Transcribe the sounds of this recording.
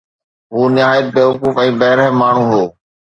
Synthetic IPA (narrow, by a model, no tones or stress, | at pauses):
ɦuːnɪɦaːjət̪̚beːɦʊkuːfɛ̃ːbɐɦɪɾəɦmaːɳ̤ũːɦoː